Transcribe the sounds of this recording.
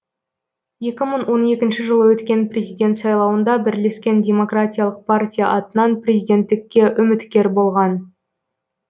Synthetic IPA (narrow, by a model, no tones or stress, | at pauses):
je̞kʲɪməɴwo̞ne̞kʲɪnʃɪʒəlˠəwɵt̪kʲe̞nprʲe̞zijd̪ʲe̞nt̪sɑjlˠɑwənd̪ɑbɪɾle̞skʲe̞ndʲe̞mo̞kratʲijalˠəq̚pʰartʲija̰ʔɑt̪ənɑnprʲe̞zʲijd̪ʲe̞nt̪ːɪkʲːe̞ʔʏmɪt̪kʲe̞ɾbo̞lˠʁɑn